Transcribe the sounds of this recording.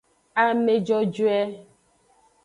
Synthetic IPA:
a˨me˨d͡ʒɔ˦d͡ʒu˦ɛ˦

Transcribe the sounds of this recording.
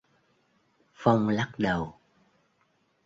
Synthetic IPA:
fa˧wŋ͡mla˦˥k̚ɗə˨˩w

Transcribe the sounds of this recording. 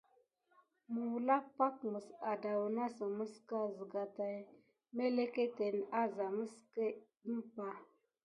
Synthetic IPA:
mə˨wla˦pa˦kmə˨sa˨da˨wu˨na˦sə˨mə˦ska˦zə˨ɡa˨ta˨j | me˦le˦ke˦te˨n˨a˦za˨mə˦ske˦ | nə˦pa˨

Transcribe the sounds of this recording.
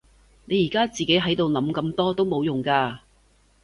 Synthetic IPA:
ne˨˧jiː˨˩kaː˥t͡siː˨ke˨˥jɦɐ˨˥jt̪o˨wlɐ˨˥mkɐ˧mt̪ɔː˥t̪o˥wmo˨˧wjʊ˨˩ŋkaː˧

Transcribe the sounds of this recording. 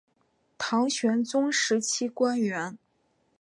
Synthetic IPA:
t̪ʰɑ˧˥ŋɕɥɛ˧˥nt͡sʊ˥ŋʂɻ̩˧˥t͡ɕʰi˥kwa˥nɥɛ˧˥n

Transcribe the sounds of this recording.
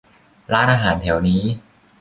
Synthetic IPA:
ɾaː˦˥nʔaː˧ɦaː˩˦nt̪ʰɛ˩˦wniː˦˥

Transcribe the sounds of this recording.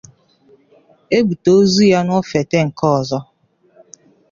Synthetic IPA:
e˦bu˨to˦zu˦ja˦nʊ˦fe˨te˦ŋ̩˨kɔ˦˨zɔ˦

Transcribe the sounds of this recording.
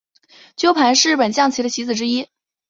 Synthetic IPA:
t͡ɕjo˥ʊpʰa˧˥nʂɻ̩˥˧ɻpə˨˩nt͡ɕjɑ˥˩ŋt͡ɕʰi˧˥də˧t͡ɕʰi˧˥t͡sɹ̩˨˩ʈ͡ʂɻ̩˥i˥

